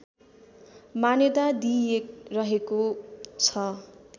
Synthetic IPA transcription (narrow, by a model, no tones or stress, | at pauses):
maned̪ad̪ijek̚rʌɦekot͡sʰʌ